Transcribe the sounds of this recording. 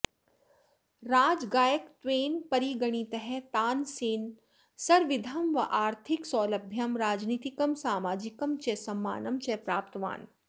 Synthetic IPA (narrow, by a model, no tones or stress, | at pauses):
ɾaːd͡ʒɡaːjəkt̪ʋeːnpɐɾiɡɐɽ̃it̪ɐɦɛt̪aːnsiːn | sɐɾʋɪd̪ʱɐmʋɐʔaːɾt̪ʰɪksɔːlɐbʱjɐmɾaːd͡ʒniːt̪ikɐmsaːmaːd͡ʒɪkɐmt͡ʃɛsɐmːa̰ːnɐmt͡ʃɛpɾaːpt̪ʋa̰ːn